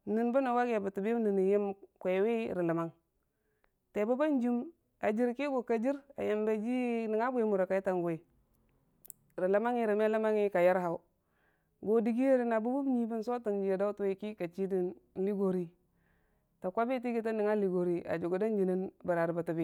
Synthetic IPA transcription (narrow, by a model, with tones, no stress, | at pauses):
ni˨nbu˦na˨wa˦ɡja˨ba˨tu˨bi˦ni˨ni˨ji˦mkʷe˨˦wi˦ɾi˨la˨ma˦ŋ | te˨bu˦ba˦nd͡ʒi˦m | a˨d͡ʒi˦ɾki˦ɡo˨ka˨d͡ʒi˦ɾa̰˨je˨mba˦d͡ʒi˦ni˨ŋa˦bu˦je˦mu˨ɾa˨ka˨i˦ta˨ŋɡo˨i˨ | ɾi˨la˨˦ma˦ŋi˦ɾi˨me˦la˦ma˦ŋi˦ka˨ja˦ɾɦa˨u˦ | ɡo˨di˨ɡi˦je˦ɾi˦na˨bu˦bu˦bɲi˦bi˦nso˦ta˨nd͡ʒi˨˦ja˨da˦tu˦we˦ki˦ka˨t͡ʃi˦di˦n˦li˦ɡo˨ɾi˦ | ta˨kʷa˦bi˦ti˦ɡi˦ta˦ni˨ŋa˦li˨ɡo˨ɾi˦a̰˨d͡ʒu˨ɡu˨da˦nd͡ʒi˨ni˦nba˨ɾa˨ɾi˨ba˨tu˨bi˦